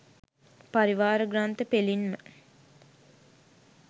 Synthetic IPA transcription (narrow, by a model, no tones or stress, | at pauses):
paɾiʋaːɾəɡɾaːnt̪əpelinmə